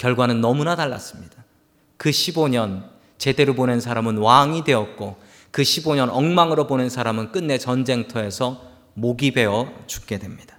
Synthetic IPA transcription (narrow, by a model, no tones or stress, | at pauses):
kjʌɭɡwanɯnːʌmunataɭːa̰s͈ɯmɲid̥a | kɯɕʰiboɲʌn | t͡ɕe̞de̞ɾobone̞nsʰaɾamɯnwaŋidwe̞ʌt̚k͈o | kɯɕʰiboɲʌnʌŋmaŋɯɾobone̞nsʰaɾamɯnk͈ɯnːet͡ɕʌnd͡ʑe̞ŋtʰʌe̞sʰʌ | moɡibe̞ʌt͡ɕu̥k̚k͈e̞dwe̞mɲid̥ḁ